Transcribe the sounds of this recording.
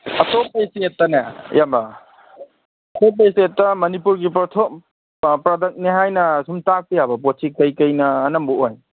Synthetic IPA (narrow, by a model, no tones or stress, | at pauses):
ɐtopesietːɐnajamba | ɐtopːesetːɐmɐnipuɾɡipɾɔtʰo | pɾadɐk̚neɦajnɐsumtak̚pijabɐposʰikɐjkɐjnɐːnɐmbuʔoj